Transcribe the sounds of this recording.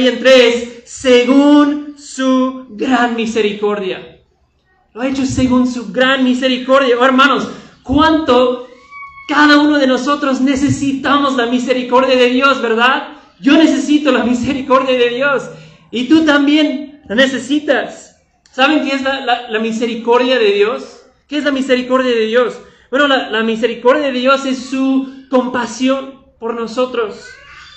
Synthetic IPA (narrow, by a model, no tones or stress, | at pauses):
jent̪ɾesːeɣunsuɣɾanmise̞ɾiko̞ɾðja̰ | loaet͡ʃo̞se̞ɣunsuɣɾanmise̞ɾiko̞ɾðjaoeɾmãno̞skwant̪o̞ | kaðauno̞ðe̞no̞so̞t̪ɾo̞zne̞se̞sit̪amo̞zlamiseɾiko̞ɾðjaðe̞ðjo̞zβe̞ɾðað | ʝo̞ne̞s̬e̞sit̪o̞lamise̞ɾiko̞ɾðjaðe̞ðjo̞s | it̪ut̪ambje̞nlane̞se̞sit̪asː | aβ̞e̞ŋkeezlalalamise̞ɾiko̞ɾðjaðe̞ðjo̞s | keezlamise̞ɾiko̞ɾðjaðeðjo̞s | b̥we̞no̞lalamis̬e̞ɾiko̞ɾðjaðe̞ðjo̞se̞sːuko̞mpasjo̞n | po̞ɾno̞so̞t̪ɾo̞s